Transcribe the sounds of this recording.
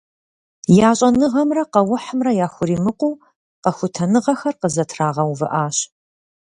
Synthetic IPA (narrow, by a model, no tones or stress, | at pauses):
jaːɕʼɐnɨʁɐmrɐqɐwʊħəmrɐjaːxʷʊɾiːmɨqʷuː | qɐxʷʊtʰɐnɨʁɐxɐrqəzɐtʰraːʁɐwvɨ̰ʔaːɕ